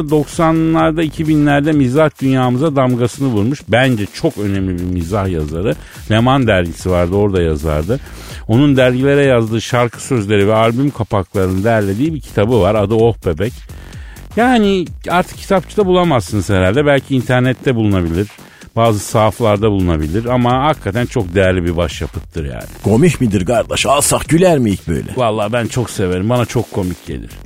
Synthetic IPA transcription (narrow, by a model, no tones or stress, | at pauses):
d̪o̞ksanlːˠaɾd̪aicʰibinlʲæɾd̪ɛmizahd̪ynjaːmɯzad̪amɡasɯnɯvuɾmuʃbænd͡ʒɛt͡ʃʰo̞kø̞nɛmlʲibiɾmizahja̰zaɾɯ | lʲemand̪æɾɟisivaɾd̪ɯo̞ɾd̪aja̰za̰ɾd̪ɯ | o̞nund̪æɾɟilʲe̞ɾɛjazd̪ɯːʃaɾkʰɯ̥sø̞zlʲe̞ɾivɛalʲbymkʰapaklˠaɾɯnɯd̪ɛjæɾlʲe̞d̪iːbicʰi̥t̪ʰabɯvaɾad̪ɯo̞hpebɛc | jaːniaɾt̪ʰɯ̥k̚cʰi̥t̪ʰap̚t͡ʃʰɯd̪abulˠamasɯnɯz̥heɾalʲd̪ɛbælʲcʰiːnt̪ʰæɾnɛt̪ʰːɛbulˠunabilʲiɾ | baːzɯsaːflˠaɾd̪abulˠunabilʲiɾamahakʰːat̪ʰænt͡ʃʰo̞k̚d̪e̞jæɾlʲibibaʃjapʰɯt̪ʰːɯɾja̰ːnɪɡ̥o̞miʃmid̪iɾɡaɾd̪aʃalˠsaχɟylʲæɾmiicbø̰jlʲɛ̰valˠːaːbænt͡ʃʰo̞kse̞ve̞ɾimbanat͡ʃʰo̞kʰːo̞micɟḛlʲḭɾ̥